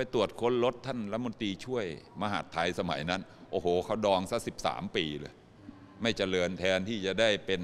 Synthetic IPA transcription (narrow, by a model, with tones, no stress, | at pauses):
pa˧jt̪u˨˩ət̪̚kʰo˧˥nlo˦˥t̪ʰːa˥˩nɾa˦˥mo˧nt̪ɾiː˧t͡ɕʰu˥˩əjma˧ɦa̰˨˩t̪ʰːa˧jsa˧ma̰˩˦jna˦˥nʔoː˧˩hoː˨˩kʰa˦˥˩wdɔː˧ŋsa˦˥si˨˩p̚sa̰ː˩˦mpiː˧lɤ̰ː˧j | ma˥˩jt͡ɕa˧˨lɤː˧nt̪ʰɛː˧nt̪ʰiː˥˩t͡ɕa˨˩daː˥˩jpe˧n